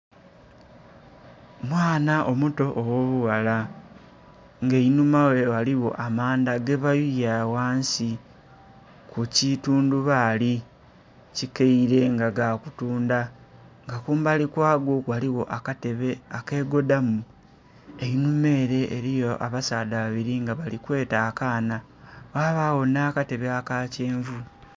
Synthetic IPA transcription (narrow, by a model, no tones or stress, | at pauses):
mwaːnaʔomuto̞ʔowo̞βuwala | ŋɡeinumawe̞waliwo̞̰ʔamaːndaɡeβajujawaːnsi | kucituːnduβaːli | cikeiɾe̞ŋɡaɡakutuːnda | ŋɡakuːmbalikwaːɡokwaliwo̞ʔakateβeake̞ːɡo̞damu | e̞inume̞ːɾe̞ʔːɾijoʔa̰βasaːdaβaβiɾiŋɡaβalikwe̞ːtaːkaːna | waβaːwo̞naːkate̞βeakace̞ːɱvu